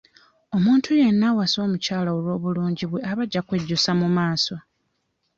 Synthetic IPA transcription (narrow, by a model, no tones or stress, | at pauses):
o̞muːntʰuje̞nːawaso̞ːmucaːlaolwo̞ːβuluːɲɟiβwe̞aβaɟːakwe̞ɟːusamumaːso̞